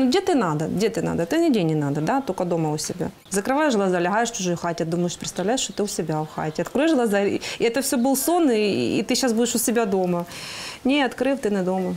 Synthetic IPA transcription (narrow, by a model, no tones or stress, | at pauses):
nuɡdʲet̪ɨnad̪ɐɡdʲet̪ɨna̰d̪ɐt̪ɨnʲɪdʲenʲɪnad̪əd̪at̪okəd̪o̞mɐʊsʲɪbʲa̰ | zəkɾɨvajɪʂɣlˠɐzalʲɪɦajɪʂt͡ɕʊʐojʊxatʲɪɐd̪uməjɪʂʲpʲɾʲɪt̪t̪ɐvlʲæjɪʂt̪ot̪ɨʊsʲɪbʲaʊxa̰tʲɪɐt̪kɾojɪʂɣlˠɐzaɪɛt̪əfsʲobɨlˠso̞nɨ̰ːt̪ɨɕːasbudʲɪʂʊsʲɪbʲad̪o̞mɐnʲeɐt̪kɾɨft̪ɨnʲɪd̪o̞mɐ